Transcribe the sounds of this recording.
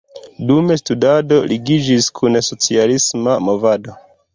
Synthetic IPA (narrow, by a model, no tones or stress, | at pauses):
dume̞studado̞liɡid͡ʒiskʰunso̞t͡sialismamo̞vado̞